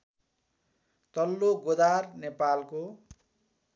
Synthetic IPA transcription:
t̪ʌlːoɡod̪arnepalko

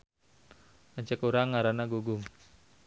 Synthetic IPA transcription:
aɲt͡ʃəkuɾaŋːaɾanaɡuɡʊŋ

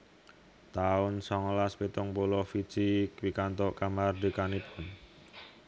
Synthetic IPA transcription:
t̪aʊnsɔŋlaspit̪ɔŋpolɔfid̥t͡ʃikwikant̪ɔkamard̪ə̤kanipʰʊn

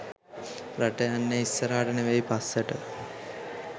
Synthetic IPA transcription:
ɾaʈəjanːeisːəɾaːʈəneʋejpasːəʈə

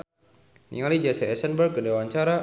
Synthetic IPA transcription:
nḭŋalid͡ʒasɛɛsənbərkːədawaɲt͡ʃaɾa

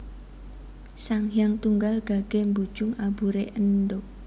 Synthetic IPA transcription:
saŋjaŋt̪uŋɡalɡ̥a̤ɡ̥e̤mbud̥ʒ̥ʊŋabuɾeʔənɖoʔ

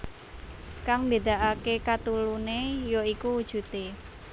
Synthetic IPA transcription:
kaŋmbed̪a̤ʔakekat̪ulunejoikuwud̥ʒ̥ṳt̪e

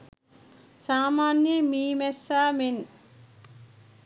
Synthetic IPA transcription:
saːmaːnjəmiːmɛsaːmen

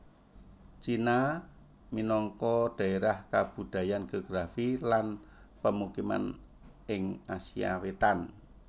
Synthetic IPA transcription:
t͡ʃina | minɔŋkɔɖ̪̥a̤eɾahkab̥ṳd̪̥a̤janɡ̥eoɡ̥ɾafilanpəmukima̰n | ɪŋasia̰wet̪an

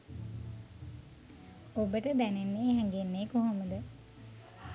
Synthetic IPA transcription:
obəʈəd̪ænenːeːɦɛŋɡenːeːkoɦoməd̪ə

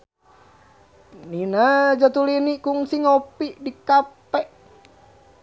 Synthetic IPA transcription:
ninad͡ʒat̪ulinikuŋsiŋopiʔdikapɛʔ

